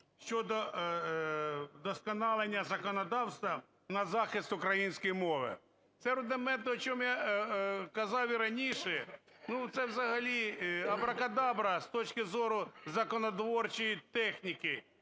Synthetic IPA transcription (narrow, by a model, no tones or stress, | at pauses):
ʃt͡ʃɔd̪ɔ | d̪ɔskɐnɑlˠenʲːɐzɐkɔnɐd̪ɑwst̪ʋɐ | nɐzɑxɪst̪ʊkɾɐjinʲsʲkɔjmɔʋɪ̰ | t̪sɛɾʊd̪ɪmɛnt̪ɔt͡ʃɔmja | kɐzɑwiɾɐnʲiʃɛ | nut̪sɛwzɐɦɐlʲiɐbɾɐkɐd̪ɑbɾɐst̪ɔt͡ʃkɪzɔɾʊzɐkɔnɔd̪ʋɔrt͡ʃijit̪ɛxnʲikɪ